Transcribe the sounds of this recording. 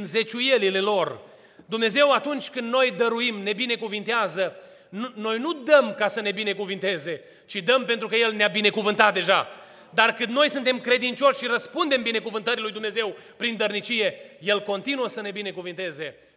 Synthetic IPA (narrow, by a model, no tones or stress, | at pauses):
ɨnze̞t͡ʃuje̞lile̞lo̞r | d̪umne̞ze̞wat̪unt͡ʃʲkɨnd̪no̞jd̪əɾuimne̞bine̞kuvint̪eazə | nuno̞jnud̪əmkasəne̞bine̞kuvint̪e̞ze̞ | t͡ʃid̪əmpe̞nt̪ɾukəje̞lneabine̞kuvɨnt̪at̪̚d̪e̞ʒa | d̪arkɨnd̪no̞jsɨnt̪e̞mkɾe̞d̪int͡ʃʲo̞ʃʲʃiɾəspund̪e̞mbine̞kuvɨnt̪əɾilujd̪umne̞ze̞w | pɾind̪ərnit͡ʃije̞je̞lko̞nt̪inuəsəne̞bine̞kuvint̪e̞ze̞